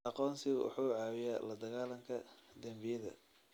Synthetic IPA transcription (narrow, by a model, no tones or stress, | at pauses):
ɑqɔːnsɪʔʊ̰ħuːʕɑːwɪjaːlɐd̪ɐɣaːlɐŋkʰɐd̪ɐmbɪjɐðɐ̰